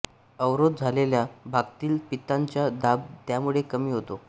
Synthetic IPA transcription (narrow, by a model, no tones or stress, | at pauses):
əwɾod̪̚d͡zʱaleljabʱaɡ̚t̪iːlpit̪aɲt͡ɕjad̪ab̚t̪jamuɭekəmiːɦot̪o